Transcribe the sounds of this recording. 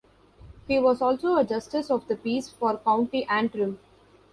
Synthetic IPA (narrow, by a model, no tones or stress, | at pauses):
hiːʋɔːzɔːlsoːəd͡ʒʌsʈɪsɔʋd̪əpiːsfɔːɾkãʊ̃ɳʈiʔæ̃ɳʈɾũm